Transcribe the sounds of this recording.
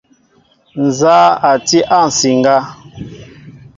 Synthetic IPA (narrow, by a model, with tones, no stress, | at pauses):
n̩˨za˦a˨ti˦ʔa˦˨n̩˨si˨ŋ˨ɡa˦